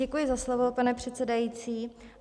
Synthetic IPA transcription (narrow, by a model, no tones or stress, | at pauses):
ɛkujɪzaslo̞vo̞panɛpr̝̥ɛt̪t͡sɛdajiːt͡siː